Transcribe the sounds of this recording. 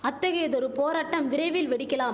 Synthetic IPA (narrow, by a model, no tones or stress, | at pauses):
ɐt̪ːɐɣejðɔɾɯpoːɾaːʈːɐmʋɪɾɐɪʋɪlʋɛɽɪkːɐlaːm